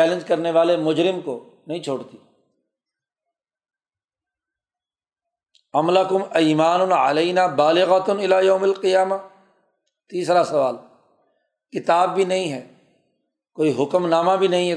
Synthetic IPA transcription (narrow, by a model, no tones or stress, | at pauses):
ɛːlɪ̃nd͡ʒkɐɾneʋaːlemʊd͡ʒɾɪmko | nɐɦĩt͡ʃʰoːɽt̪iː | ɐmləkʊmiːmaːnʊʕɐ̰leːnaːbaːlɪɣət̪nɪlaːjɐːmɐlqɪjaːma | t̪iːsɾasɐʋaːl | kɪt̪aːb̚ːʱinɐɦĩɦɛː | koːiɦʊkəmnaːmabʱinɐɦĩɦɛ